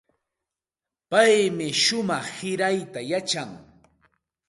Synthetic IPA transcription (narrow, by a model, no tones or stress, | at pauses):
pajmɪʃʊmɑχhɪɾajt̪ajat͡ʃaŋ